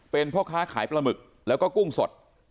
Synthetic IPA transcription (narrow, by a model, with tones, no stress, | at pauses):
pe˧npʰɔː˥˩kʰaː˦˥˩kʰaː˩˦jpɾa˧mɯ˨˩k̚ | lɛː˦˥wkɔː˥˩ku˥˩ŋso˨˩t̪̚